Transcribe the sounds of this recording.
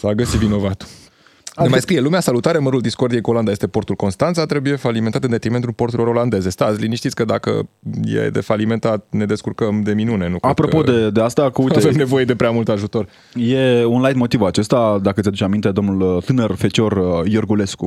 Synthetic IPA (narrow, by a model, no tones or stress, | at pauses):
saɡəsivino̞vat̪u̥ | nemajskɾije̞lumeasalut̪aɾeməɾuld̪isko̞rd̪ijekuoland̪aje̞st̪e̞po̞rt̪ulko̞nst̪ant̪sat̪ɾe̞buje̞faliment̪at̪ɨnd̪et̪ɾime̞nt̪ulpo̞rt̪uɾilo̞ɾo̞land̪e̞ze̞st̪azliniʃt̪it̪sʲkəd̪a̰kə̰ | jḛd̪e̞̰falime̞nt̪at̪̚ne̞d̪eskurkəmd̪e̞minune̞nukpɾo̞po̞d̪e̞d̪east̪akuuaevemne̞vo̞je̞d̪e̞pɾeamult̪aʒut̪o̞r | je̞unlajd̪mo̞t̪ivat͡ʃe̞st̪ad̪akəad̪ut͡ʃeamint̪ed̪o̞mnult̪ɨnərfe̞t͡ʃo̞rjorɡule̞sku